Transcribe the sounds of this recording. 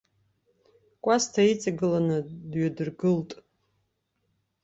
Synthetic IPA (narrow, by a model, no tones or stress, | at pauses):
kʷʼastʰait͡sʼaɡɨlanɨdɥadɨrɡɨltʼ